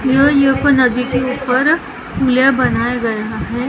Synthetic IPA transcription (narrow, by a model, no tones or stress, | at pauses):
jəjekonɐd̪ikeuːpəɾ | uljabɐnaːjaɡɐjaɦɛː